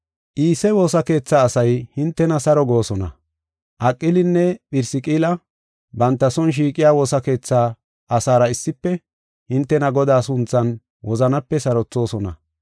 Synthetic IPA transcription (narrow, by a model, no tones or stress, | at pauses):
ʔiːsɛwo̞ːsɐke̞ːt͡sːaːsɐjhɪnt̪ːɛnɐsɐɾɔɡo̞ːsɔnɐ̰ | ʔɐkʼːɪlɪnːɛpɪɾsɪkʼiːlɐ | bɐnt̪ːɐsɔnʃ̬iːkʼɪjaːwo̞ːsɐke̞ːt͡sːaː | ʔɐsaːɾɐɪsːɪpːɛ | hɪnt̪ːɛnɐɡɔd̪aːsʊnt͡sːɐn | wɔzɐnɐpːɛsɐɾɔt͡sːo̞ːsɔnɐ̰